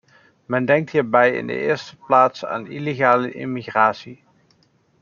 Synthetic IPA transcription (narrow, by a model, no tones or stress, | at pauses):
mɛndɛŋk̚tɦiːɹbɛjɪ̰ndə̰ʔɪːɹstəplaːtsa̰ːnileχaːləʔɪ̰miχraːsi